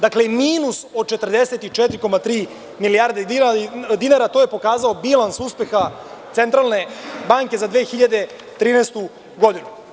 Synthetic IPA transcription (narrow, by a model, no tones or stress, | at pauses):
d̪aklemiːnuso̞d̪̚t͡ʃet̪rd̪eset̪it͡ʃɛt̪ɾiko̞mat̪ɾiː | milijaːɾd̪ed̪inad̪inaɾat̪oje̞po̞kaːzao̞bilˠansuspe̞xa | t̪sent̪ɾalˠne̞baːŋke̞zad̪ʋeːxiʎad̪e̞ | t̪ɾiːnest̪u | ɡo̞d̪inu